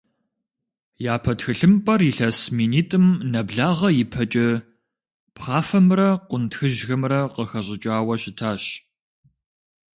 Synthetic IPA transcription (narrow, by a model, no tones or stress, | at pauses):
jaːpʰɐtxɨɬɨmpʼɐriɬɐsmiːniːtʼɨmnɐbɮaːʁɐjɪpʰɐt͡ʃʼɪ | pχɑːfɐmrɐqʷʊntxɨʒɣɐmrɐqəxɐɕʼɪt͡ʃʼaːwɐɕɪtʰaːɕ